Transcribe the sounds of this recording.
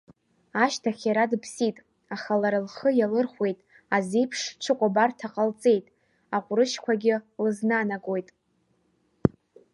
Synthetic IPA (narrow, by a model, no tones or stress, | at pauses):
aʃtʰaχʲaɾadpʰsitʼ | aχalaɾɨlχəjalɨrχʷwe̞jtʼ | azejpʰʂʈ͡ʂʰɨkʷʼabartʰaqʼalt͡sʼe̞jtʼ | aqʷʼʊɾɨʃkʷʰaɡʲɪlɨznanaɡʼo̞jtʼ